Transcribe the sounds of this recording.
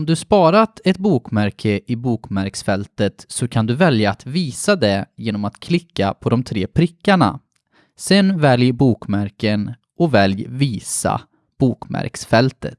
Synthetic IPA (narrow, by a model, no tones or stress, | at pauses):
ɔmd̪ɵspɑːɾat̪ɛt̪̚buːkmæɾkʰəʔɪbuːkmæɾksfɛlt̪ət̪sɔkʰand̪ɵvɛljaːt̪viːsad̪ɛjeːnɔmat̪kʰlɪkːapʰɔd̪ɔmt̪ʰɾeːpʰɾɪkːaɳa̰ | sɛnvɛljəbuːkmæɾkən | ɔvɛljviːsa̰ | b̥uːkmæ̰ɾksfɛlt̪ə̰t̪